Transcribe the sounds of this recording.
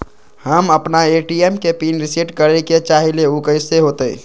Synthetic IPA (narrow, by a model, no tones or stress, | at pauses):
həməpnaeʈiemkepinɾisiʈkəɾeket͡ʃaɦileukəɪseɦot̪əi